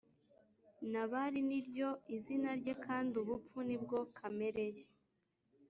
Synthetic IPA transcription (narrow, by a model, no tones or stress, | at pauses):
naβaɾiniɾɟo̞izinaɾɟekʰaːndiuβup͡funibɡo̞kʰame̞ɾe̞je